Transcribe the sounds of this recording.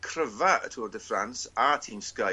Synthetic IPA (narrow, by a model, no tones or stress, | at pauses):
kʰrəvaə̰tʰwɔd̪əfɹãnsatʰĩːmska